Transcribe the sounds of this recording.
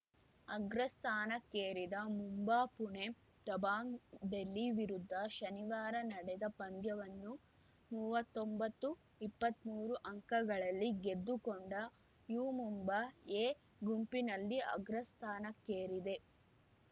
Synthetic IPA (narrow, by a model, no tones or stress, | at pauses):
ɐɡɾɐst̪ʰaːnɐkːeːɾid̪ɐmumbaːpuɳe̞ | t̪ɐbaːŋd̪elːiʋiɾud̪ʱːɐʃɐniʋaːɾɐnɐɽɛd̪ɐpɐnd̪jɐʋɐnːu | muːʋɐt̪ːombɐt̪ːu | ipːɐt̪muːɾuʔɐŋkɐɡɐɭɐlːiɡe̞d̪ːukoɳɖɐ | juːmumbɐeː | ɡumpinɐlːiɐ̰ɡɾɐst̪ʰaːnɐkːeːɾid̪e̞